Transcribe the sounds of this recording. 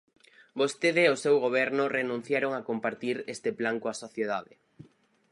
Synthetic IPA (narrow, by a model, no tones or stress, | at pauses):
bost̪eðeːosewɣoβ̞ɛɾnʊrenũn̟θjaɾoŋakompaɾt̪iɾest̪eplaŋkoasoθjeðaðɪ